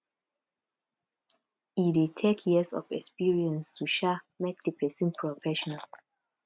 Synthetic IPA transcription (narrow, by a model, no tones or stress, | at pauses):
idetʰekʰjɛsɔ̰fɛ̰kspiɹiɛ̃nstʰuʃa | mek̚dəpʰɛsɔ̃npʰɹɔfɛʃɔnal